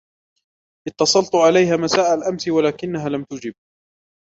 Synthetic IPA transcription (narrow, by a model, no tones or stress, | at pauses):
ʔɪt̪ːɑsˤɑlt̪ˤʕalajɦaːmasaːʔalʔamsɪwalaːkɪnːaɦaːlamt̪ʊd͡ʒɪb̚